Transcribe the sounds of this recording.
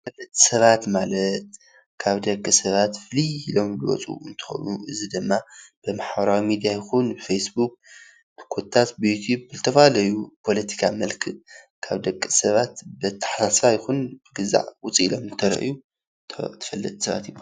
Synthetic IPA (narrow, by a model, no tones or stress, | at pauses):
fɐlːɐt̪ʼi̥sɐβat̪malɐt̪̚ | kʰaβd̪ɐkʼːɨsɐβat̪fliːlo̞mbɨwɔ̰t͡sʼṵɨnt̪ʰɨ̥xo̞̰nuʔɨzid̪ɨmːab̥ɨmaħbɐɾawimid̪ijajɪxunbɨfejsbuk̚ | b̥ɨkʰot̪ʰːat̪bɨjut̪ʰjubbɨzɨt̪ʰɐfalɐjupʰo̞lɐt̪ʰi̥kʰamɐlkʰɨ | kʰaβd̪ɐkʼːɨsɐβat̪bɨt̪ʰːḁħasasfajɪxunb̥ɨɡɨza̰ʕwʊt͡sʼilo̞mɨt̪ʰɐɾɐ̰ʔju | t̪ʰɐ̥fɐlːɐ̰t̪ʼsɐβa̰t̪jibo